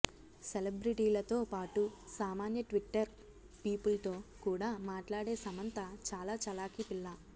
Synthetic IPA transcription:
selɐbɾiʈiːlɐt̪o̞ːpaːʈusaːmaːnjɐʈʋiʈːɐɾ | piːpulɐt̪o̞ːkuːɽaːmaːʈlaːɽe̞ːsɐmɐnt̪ɐt͡ʃaːlaːt͡ʃɐlaːkipiɭːa

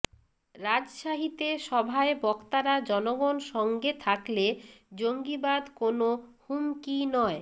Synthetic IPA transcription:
ɾad͡ʑʃaɦit̪eʃɔbʱaebɔkt̪aɾad͡ʑɔnoɡonʃɔŋɡet̪ʰakled͡ʑoŋɡibad̪konohumkinɔe

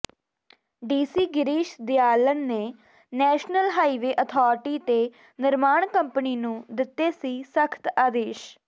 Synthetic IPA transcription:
ɖiːsiːɡɪɾiːʃd̪ɪaːlənːeː | nɛːʃnəlɦaːiːʋeːʔət̪ʰɔːɾʈiːt̪eː | nɪɾmaːɳkəmpəniːnũːd̪ɪt̪ːeːsiːsəkʰt̪aːd̪eːʃ

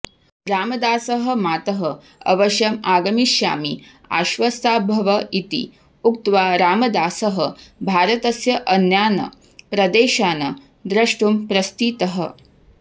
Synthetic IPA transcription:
ɾaːmɐd̪aːsɐɦɐ̆maːt̪ɐɦɐ | ɐ̰ʋɐʃjɐmaːɡɐmiʃja̰ːmi | a̰ːʃʋɐst̪aːbʱɐʋɐit̪ḭ | uk̚t̪ʋaːɾaːmɐd̪aːsɐɦɐbʱaːɾɐt̪ɐsjɐʔɐnjaːnɐ̰ | pɾɐd̪eːʃaːnɐ | d̪ɾɐʂʈumpɾɐst̪iːt̪ɐɦə̆

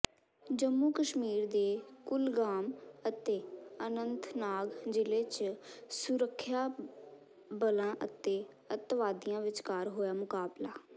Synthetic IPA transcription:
d͡ʒəmːuːkəʃmiːɾd̪eːkʊlɡaːmət̪eːənənt̪naːɡd͡ʒɪleːt͡ʃsʊɾəkʰːjaː | bəlãːʔət̪eː | ət̪ʋaːd̪ɪjãːʋɪt͡ʃkaːɾɦoːjaːmʊkaːblaː

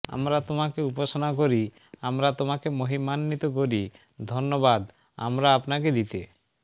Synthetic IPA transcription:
a̰mɾat̪omakeupaʃonak̬oɾi | amɾat̪omakemoɦimanːit̪ok̬oɾi | d̪ʱonːobad̪ | a̰mɾaapnaked̪it̪e

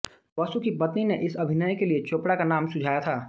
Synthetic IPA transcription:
ʋəst̪ukipɐt̪nineʔɪsɐbʱɪnəjkeliet͡ʃoːpɽakanaːmsʊd͡ʒʱaːjat̪ʰaː

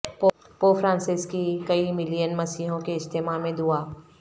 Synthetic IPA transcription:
p | poːfʰɾãːnsɪskikɐimɪlijənmɐsiːɦõkeɪst̪ʰeːmamẽd̪uaː

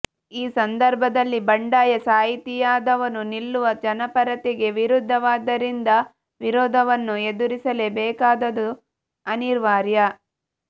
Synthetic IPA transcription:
iːsɐnd̪ɐɾbʱɐd̪ɐlːibɐɳɖaːjɐsaːɦit̪ijaːd̪ɐʋɐnunilːuʋɐd͡ʒɐnɐpɐɾɐt̪eɡe̞ʋiɾud̪ʱːɐʋaːd̪ɐɾind̪ɐ | ʋiɾɔːd̪ʱɐʋɐnːue̞d̪uɾisɐle̞bɛːkaːd̪ɐd̪u | ɐniɾʋaːɾjɐ

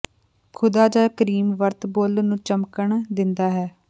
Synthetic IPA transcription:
kʰʊd̪aːd͡ʒaːkəɾiːmʋəɾt̪boːlnũːt͡ʃəmkəɳd̪ɪnd̪aːɦɛː

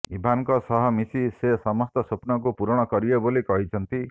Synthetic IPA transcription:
ibʱaŋkɔsɔɦɔmisisesɔmɔst̪ɔsopnɔk̬upuɾɔɽ̃ɔkɔɾiɔbolikɔɦit͡ʃʰɔnt̪i

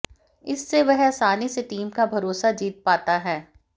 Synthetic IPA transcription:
ɪsːeʋɐɦɐsaːniseʈiːmkabʱɐɾoːsad͡ʒiːt̪̚paːt̪aɦɛː

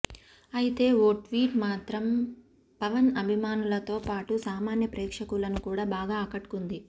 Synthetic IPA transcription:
ɐjit̪e̞ːoːʈʋiːʈmaːt̪ɾɐm | pɐʋɐnɐbʱimaːnulɐt̪o̞ːpaːʈusaːmaːnjɐpɾɛːkʂɐkulɐnukuːɽaːbaːɡaːɐkɐʈkund̪i

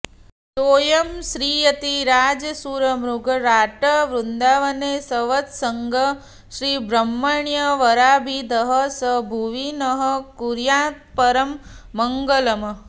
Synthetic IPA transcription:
soːjɐmʃɾiːɐt̪iɾaːd͡ʒɐsuːɾɐmɾuɡʱɐɾaːʈɐʋɾund̪aːʋɐneːsɐʋɐt̪sɐŋɡʱɐ | ʃɾiːbɾɐmːɐɳjɐʋɐɾaːbʱid̪ʱɐɦɐ̆sɐbʱuʋinɐɦɐ̆kuɾjaːt̪̚pɐɾɐmːɐŋɡɐlɐmɐ

